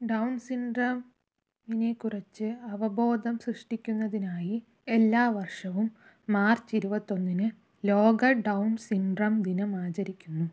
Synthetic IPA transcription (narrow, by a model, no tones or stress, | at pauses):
ɖɐwnsiɳɖrɐm | ine̞kːurɐt͡ɕːɨɐʋɐbo̞ːd̪ɐmsrɨʂʈikʲːunːɐðinaːji | e̞lːaːʋɐrʂɐʋumː | aːrt͡ɕiɾubɐt̪ːo̞nːinɨ | lo̞ːɡɐɖɐwnsiɳɖrɐmd̪inɐmaːt͡ɕɐɾikʲːunːu